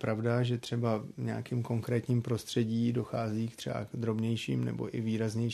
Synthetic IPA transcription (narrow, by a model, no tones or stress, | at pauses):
pɾavdaʒɛt̪r̥ɛbaɲɛ̰akiːmko̞ŋkɾɛːt̪ɲiːmpɾo̞st̪r̥ɛɟiːdo̞xaːziːkt̪r̥ɛ̰ba̰ɡd̪ɾo̞bɲɛjʃḭːmnɛ̰bo̞̰ʔɪviːɾazɲɛj